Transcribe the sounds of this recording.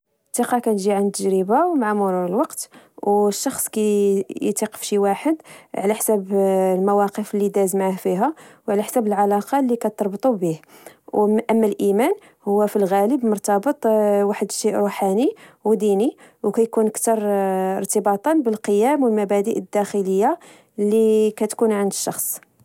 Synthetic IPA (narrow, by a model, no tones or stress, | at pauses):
t̪ːiqɑkænʒiʕant̪ːəʒɾəbawmaʕamʊɾuɾəlwɑqt̪ | wʃːɑxsˤkæjt̪iqə̥fʃiwaħəd̪ʕlæħsæblmæwɑqəflːid̪æzmʕahfiɦæwʕlæħsæbəlʕalɑqɑlːikæt̪ɑɾˤbt̪ˤubih | ʔəmːælʔimæn | hʊwːæfilɣæləbmʊɾt̪ɑbət̪ˤwaħəd̪ʃeʔɾuħaniwd̪iniwkæjkunəkt̪ɑɾˤə̰ɾt̪əbɑt̪ˤɑnbəlqəjæmwəlmæbæd̪əʔd̪ːæxələjːa | lːikæt̪kunʕənd̪əʃːɑxsˤ